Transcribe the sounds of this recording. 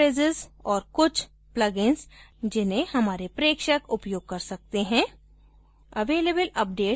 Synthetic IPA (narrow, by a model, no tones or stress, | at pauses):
eːzɪzɔːɾkʊt͡ʃʰ | plɐɡɪ̃nsd͡ʒɪnẽhɐmaːɾepɾeːkʃəkʊpjoːɡ̚kɐɾsɐk̚t̪eɦɛ̃ː | ɐʋeːlebəlɐp̚ɖeː